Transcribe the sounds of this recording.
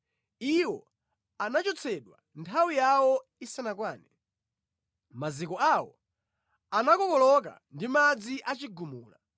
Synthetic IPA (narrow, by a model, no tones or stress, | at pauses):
iwɔ | anat͡ʃɔt͡sʰɛɗwa̰ | ntʰawijawɔisanakwaːnɛ | mazikɔawɔ̰ | anakɔkɔlɔk̬a̰ndimad͡ziʔat͡ʃiɡumuːla̰